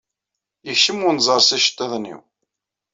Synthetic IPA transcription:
jəçʃəmʊnzˤəɾˤsæʃə̥t̪ːæðnḭw

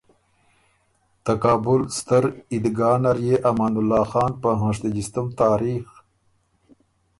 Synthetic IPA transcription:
t̪akɑːbʊlst̪əɾid̪ɡɑːnaɾjeʔamaːnulːɑːxɑːnpəɦãːʂ̬t̪ad͡ʒist̪əmt̪ɑːɾiːx

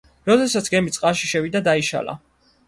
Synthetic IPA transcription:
ɾɔd̪ɛsat̪sʰɡɛmit̪sʼqʼaʃiʃɛvid̪ad̪aiʃa̰la̰

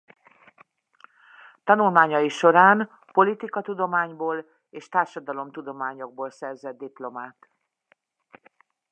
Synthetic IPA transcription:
t̪ɒnulmaːɲɒjiʃo̞ɾaːn | po̞lit̪ikɒt̪ud̪o̞maːɲboːl | eːʃt̪aːrʃɒd̪ɒlo̞mt̪ud̪o̞maːɲo̞ɡ̚boːlsɛrzɛd̪̚ːiplo̞maːt̪

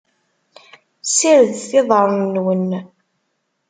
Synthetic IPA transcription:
siɾðθɪðˤəɾˤnnːwən

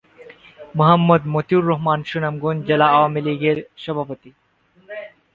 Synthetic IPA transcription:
moɦɐmːod̪mot̪uɾːoɦmanʃunamɡond͡ʑelaawamiliɡeɾʃɔbʱapot̪i

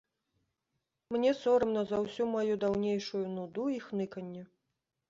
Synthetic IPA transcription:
mnʲɛsɔɾɨmnɐzawsʲumajud̪awnʲejʂujunud̪uixnɨkɐnʲːɛ

